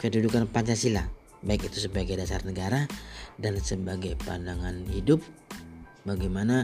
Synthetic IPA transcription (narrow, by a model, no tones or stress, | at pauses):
kədudukanpaɲt͡ʃasila | baikit̪usəbaɡajdasa̰rnəɡaɾadansəbaɡajpa̰ndaŋanhidʊp̚ | baɡajmana